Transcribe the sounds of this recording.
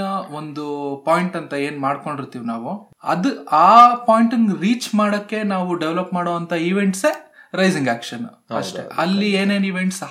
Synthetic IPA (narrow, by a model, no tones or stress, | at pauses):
ɐo̞nd̪upaːjiɳʈɐnt̪ɐe̞ːnmaːɽko̞ɳɖiɾt̪iːʋnaːʋu | ɐ̰d̪ɨaːpaːjɳʈiŋɡɾiːt͡ʃmaːɽɐkːe̞naːʋuɖeʋlɐpmaːɽoːɐnt̪ʰɐiʋe̞ɳʈse | ɾɐjziŋɡaːkʂɐn | ɐʂʈḛɐlːieːneːniʋeɳʈs